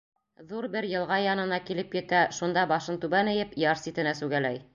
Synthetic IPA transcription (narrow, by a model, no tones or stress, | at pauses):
ðuɾbɘɾjɤ̆lˠʁɑjɑnɤ̆nɑkilɘpjɘ̆t̪æʃund̪ɑbɑʃɤnt̪ʉbænɘ̆jɘpjɑɾsit̪ɘ̆næsʉɡælæj